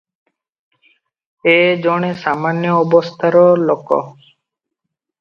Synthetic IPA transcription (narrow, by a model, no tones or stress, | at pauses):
ed͡ʒɔɽ̃esamanjɔːbɔst̪ʰaɾɔlokɔ̰